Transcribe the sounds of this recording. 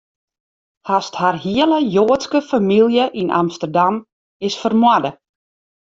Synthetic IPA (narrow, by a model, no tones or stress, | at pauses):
hastharhiələjoːətskəfamilˠjəʔinʔa̰mstərdam | ɪsfərmwadə